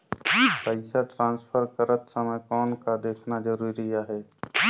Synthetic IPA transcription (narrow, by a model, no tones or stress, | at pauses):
pəɪsaʈɾãːnspʰəɾkəɾət̪səməjkɔːnkad̪eːkʰnad͡ʒəɾuːɾijaɦɛː